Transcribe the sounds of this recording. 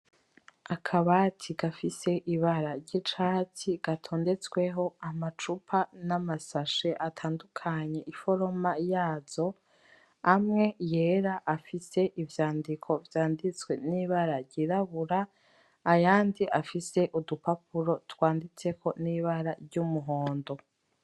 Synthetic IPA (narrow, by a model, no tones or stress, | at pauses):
akʰaβatʰiɡafise̞ʔiβaɾaɾɟit͡ʃaːtʰiɡ̥atʰo̞ːnde̞t͡swe̞ɦo̞amat͡ʃupʰanamasaʃe̞ʔatʰaːndukʰaɲe̞ʔifo̞ɾo̞majaːz̥o̞ | amŋe̞je̞ːɾaʔafise̞ʔivjaːndikʰo̞vjaːndit͡swe̞niβaɾaɾɟiɾaβuɾaː | jaːndiʔafise̞ʔudupap̚uɾo̞twaːndit͡se̞kʰo̞niːβaɾaɾɟumuɦo̞ːndo̞